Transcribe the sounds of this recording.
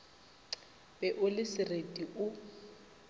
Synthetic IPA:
b̥ɛʔʊlɪsɪretʼiʔʊ

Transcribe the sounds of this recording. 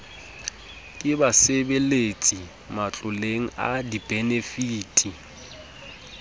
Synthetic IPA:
kʼɪbasebelet͡sʼi | mat͡ɬʼʊleŋ̩a̰dib̥ʱenefiːtʼi

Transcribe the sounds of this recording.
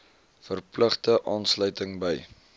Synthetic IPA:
fərpləχtəʔɑːnslœɥtəŋbəj

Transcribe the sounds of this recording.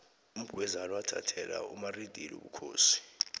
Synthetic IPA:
um̩ɡ̥ʱwɛzalwatʰatʰɛlaumarid̥ʱilṵɓukʰoːsi̥

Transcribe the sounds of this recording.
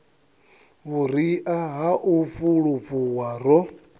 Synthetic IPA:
βuɾiʔaɦaʔuɸuɺuɸuwaɾɔ

